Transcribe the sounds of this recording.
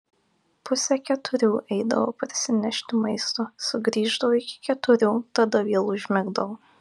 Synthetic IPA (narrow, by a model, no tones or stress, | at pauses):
pʊsʲɛkʲɛt̪ʊɾʲuːʔɛɪd̪ɐ̰ʋo̰ːpɾʲɪsʲɪnʲɛʃʲt̪ʲɪmɐɪst̪osʊɡɾʲiːʒd̪ɐʋoːɪkʲɪ̥kʲɛt̪ʊɾʲuːt̪ɐd̪ɐʋʲiɛlˠʊʒʲmʲɛɡd̪ɐʋoː